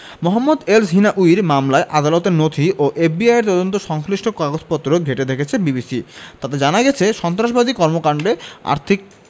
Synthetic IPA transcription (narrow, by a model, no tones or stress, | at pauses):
moɦamːod̪elsɦinaʔuiɾmamlaeʔad̪alot̪eɾnot̪ʰiʔoʔefbiajeɾt̪ɔd̪ont̪̬oʃɔŋsliʃʈokaɡod͡ʑpɔt̪ːɾoɡʱeʈed̪ekʰet͡ɕʰebibisit̪at̪ed͡ʑanaɡɛt͡ɕʰeʃɔnt̪ɾaʃ̬bad̪ikɔɾmokaɳɖea̰ɾt̪ʰik̚